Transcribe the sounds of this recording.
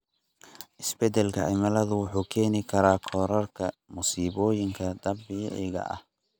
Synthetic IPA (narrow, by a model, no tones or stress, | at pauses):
ʔɪsbɛd̪ɛlkʰɐ̰ʕɪmɐlɐðʊwʊħuːkʰɛːnɪkʰɐɾaːkʰɔːɾɐrkʰɐmʊsiːβɔːjɪŋkʰɐd̪ɐbɪjɛ̰ʔɪɣɐ̰ʔɐ̰h